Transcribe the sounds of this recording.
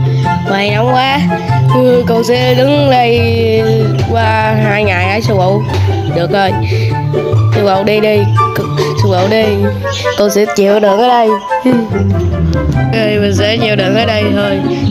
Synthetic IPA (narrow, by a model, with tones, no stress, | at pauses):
ŋaː˨˩jna˧˩wŋ͡mkwaː˨˦˧ | kʊ̰˧˨wsɛ̰˧˥ɗɨ˨˦ŋɗə˧j | kwaː˧haː˧jŋaː˨˩jʔaː˨˩jsu˧˩wʔo̰˧˨wɗɨ˨˩ək̚zo˧˩j | su˧˩wʔə̰˧˨wɗi˧ɗi˧˨ | su˨˧˩wʔo̰˧˨wɗi˧ | k̪o˧wsɛ̰˧˥t͡ɕi˧˨əwɗɨ˨ənʔəː˨˦ɗə˧j | ə˧˩jmə˨˩ŋsɛ̰˧˥t͡ɕi˨˧˨əwɗɨ˨˩ənʔəː˨˦ɗə˧jt̪ʰo˧j